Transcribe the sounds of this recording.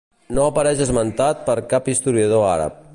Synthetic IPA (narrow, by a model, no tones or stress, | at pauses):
noəpəɾɛʃəzmənt̪at̪̚pəɾkapist̪uɾiəð̞oaɾə̰p̚